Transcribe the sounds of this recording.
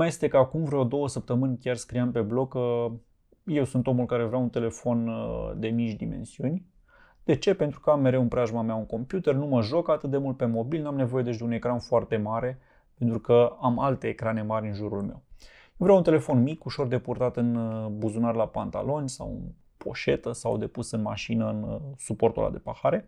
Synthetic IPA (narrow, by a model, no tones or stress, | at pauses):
maje̞st̪e̞kəakumvɾawd̪o̞wəsəp̚t̪əmɨnʲkʲjarskɾijampe̞blo̞kə | je̞wsunt̪o̞mulkaɾe̞vɾeaunt̪e̞le̞fo̞nd̪e̞mit͡ʃʲd̪ime̞̰nsiunʲ | d̪e̞t͡ʃe̞pe̞nt̪ɾukəamːe̞ɾe̞wunpɾaʒmamjauŋko̞mpjut̪e̞rnuməʒo̞kat̪ɨt̪̚d̪e̞mult̪̚pe̞mo̞bilnamne̞vo̞je̞d̪et͡ʃd̪e̞une̞kɾanfoart̪e̞maɾe̞ | pe̞nt̪ɾukəamalt̪e̞ːkɾane̞maɾʲɨnʒuɾulme̞̰w | ewvɾʲeawunt̪ele̞fo̞nmikuʃo̞rd̪e̞purt̪at̪ɨnbuzunarlapant̪a̰lo̞nʲsa̰wɨ̰n | pʰo̞̰ʃe̞t̪əsa̰wd̪e̞pusɨnma̰ʃinəɨnsupo̞rt̪ola̰d̪e̞paxaɾe̞